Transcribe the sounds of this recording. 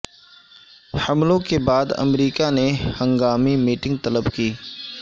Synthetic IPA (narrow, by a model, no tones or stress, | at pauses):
hɐmlõkebaːd̪ɐ̰mɾiːkanehɐ̃ŋɡaːmimiːʈɪ̃ŋɡ̚t̪ɐləbkiː